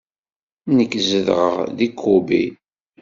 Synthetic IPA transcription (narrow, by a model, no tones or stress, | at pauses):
nəkːzəðʁə̰ʁðikʰːubḭ